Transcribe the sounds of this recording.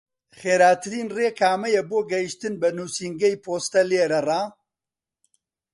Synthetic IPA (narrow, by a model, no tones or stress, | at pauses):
χeːɾaːt̪ɨɾiːnreːkʰaːmɐjeboːɡɐjiʃt̪ɨnbɐnuːsiːŋɡɐjpʰoːst̪ɐleːɾɐraː